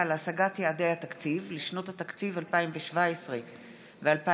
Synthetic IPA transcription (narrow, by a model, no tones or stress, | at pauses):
alasaɡatjead̪ejhat̪akt͡sivliʃno̞t̪hat̪akt͡sivalpaimveʃvaesʁe | vealpa